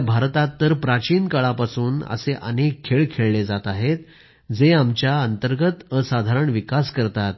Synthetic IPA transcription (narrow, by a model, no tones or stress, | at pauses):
bʱaɾt̪at̪ːəɾpɾat͡ɕiːnkəɭapasuːnə̰seʔə̰nekkʰːeɭkʰːeɭled͡zat̪aɦet̪ | d͡zeamt͡ɕjaənt̪əɾɡət̪əsad̪ʱaɾəɳʋikaskəɾt̪at̪̚